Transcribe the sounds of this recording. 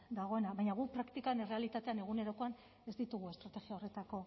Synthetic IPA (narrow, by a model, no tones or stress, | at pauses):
d̪aɣ̞o̞e̞naβajɲaɣ̞upɾakt̪ikane̞re̞alit̪at̪e̞ane̞ɣ̞une̞ɾo̞ko̞an | e̞zd̪it̪uɣ̞uest̪ɾat̪e̞ɣiaore̞t̪ako̞